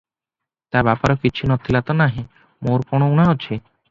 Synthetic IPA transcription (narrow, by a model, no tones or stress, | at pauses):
t̪aɾbapaɾɔkiːt͡ɕʰunɔt̪ʰːilat̪onaɦĩ | moɾkɔnounaɦotːɕʰe